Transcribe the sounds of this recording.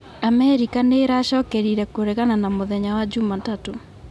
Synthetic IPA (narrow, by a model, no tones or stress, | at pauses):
amɛɾikaneɾaɕɔːkɛɾiɾɛkoɾeɣananamoðɛɲawad͡ʒumatato